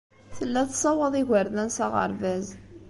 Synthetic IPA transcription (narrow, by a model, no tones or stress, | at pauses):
θəlːæθsˤɑwəðˤiʝəɾðænsæʁə̰ɾvæz